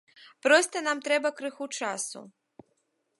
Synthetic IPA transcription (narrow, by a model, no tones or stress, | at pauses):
pɾɔst̪ɐnamt̪ɾɛbɐkɾɨxut͡ʂasṵ